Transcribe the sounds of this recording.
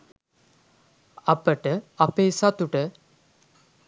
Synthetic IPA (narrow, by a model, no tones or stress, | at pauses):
ɐpəʈəɐpeːsat̪ːuʈə